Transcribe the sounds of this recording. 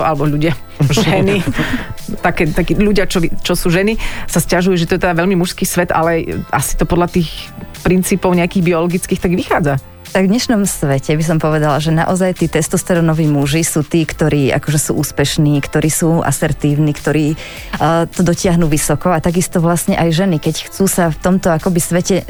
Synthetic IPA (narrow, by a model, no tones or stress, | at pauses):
ʔalɛbɔʎuɟɪa | ʒɛni | t̪akɛːt̪akiʎuɟɪat͡ʃɔit͡ʃɔsuːʒɛnisascaʒujuʒɛt̪ɔjɛt̪ɛd̪aʋɛʎmimuʃskiːsʋɛt̪a̰lɛʔasi̥t̪ɔpɔd̪ʎat̪iːxpɾint͡siːpɔʊɲɛakiːɣbiɔlɔɡit͡skiːxt̪aɡʋixaːd͡za | t̪aɡvɲɛʃnɔmsʋɛcɛbis̬ɔmpɔʋɛd̪alaʒɛna̰ʔɔzajt̪iːt̪ɛst̪ɔst̪ɛɾɔnɔʋiːmuʒisuːt̪iːkt̪ɔɾiːa̰kɔʒɛsṵːʔuːspɛʃniːkt̪ɔɾʔiːsuːʔa̰sɛɾt̪iːʊniːkt̪ɔɾiː | t̪ɔd̪ɔcɪaɦnuːʋisɔkɔat̪aɡist̪ɔʋlasɲɛʔajʒɛnikɛcxt͡suːsaft̪ɔmt̪ɔakɔbisʋɛcɛ